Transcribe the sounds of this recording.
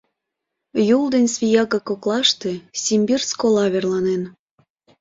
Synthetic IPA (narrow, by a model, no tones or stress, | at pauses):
juld̪enʲsβʲijɑɣɑkoklˠɑʃt̪e̽sʲimbirskolɑβerlɑnen